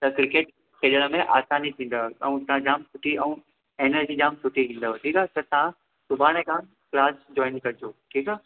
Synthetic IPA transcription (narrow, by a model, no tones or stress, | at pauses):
t̪ɐkɾɪkeːʈ̚ | kʰeɗəɽ̃ə̆mẽʔaːsaːnit̪ʰĩːn̆d̪aɛ̰ũt̪ɐɦãd͡ʑaːmsʊʈʰiɛ̃ũ | eːnəɾd͡ʑid͡ʑaːmsʊʈʰit̪ʰĩːn̆d̪aɦʈʰiːkaːt̪ɐt̪ɐʋ̤ã | sʊbʱaːɽ̃ekãːn | klaːsd͡ʑɔːɪnkɐɾd͡ʑʰoːʈʰiːka